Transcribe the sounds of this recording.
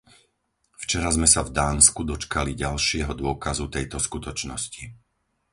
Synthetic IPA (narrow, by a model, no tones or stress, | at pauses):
ft͡ʃɛɾazmɛsavd̪aːnskud̪ɔt͡ʃkaliɟalʃɪɛɦɔd̪ʊɔkazut̪ɛjt̪ɔskut̪ɔt͡ʃnɔsci